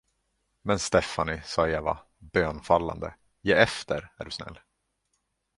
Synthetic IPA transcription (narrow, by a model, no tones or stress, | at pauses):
mɛnst̪ɛfanɪsɑːeːva̰ | bøːnfalːa̰nd̪ə | jeːɛft̪ʰəɾæ̰ɖɵsnɛ̰lː